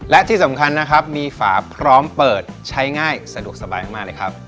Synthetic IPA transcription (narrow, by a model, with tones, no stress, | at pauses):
lɛ˦˥ʔt̪ʰiː˥˩sa˩˦mkʰa˧nːa˦˥kʰa˦˥p̚miː˧fa̰ː˩˦pʰɾɔː˦˥mpɤː˨˩t̪̚t͡ɕʰa˦˥jŋaː˥˩jsa˧du˨˩ək̚sa˧baː˧jma˥˩maː˥˩lɤː˧˩kʰa˦˥p̚